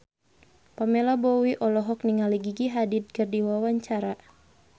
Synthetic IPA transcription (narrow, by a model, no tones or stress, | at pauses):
pamɛlabɔwiʔɔlɔɦɔk̚niŋaliɡiɡiɦadit̪̚kərdiwawaɲt͡ʃaɾa